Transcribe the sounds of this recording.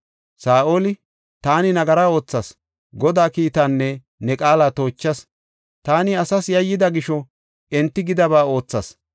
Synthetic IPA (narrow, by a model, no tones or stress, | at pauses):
saːʔo̞ːlɪ | t̪aːnɪnɐɡɐɾaːo̞ːt͡sːɐs | ɡɔd̪aːkiːt̪ɐnːɛ | nɛkʼaːlaːt̪o̞ːt͡ʃːɐs | t̪aːnɪɐsɐsjɐjːɪd̪ɐɡɪʃɔ | ɛnt̪ːɪɡɪd̪ɐβaːo̞ːt͡sːɐs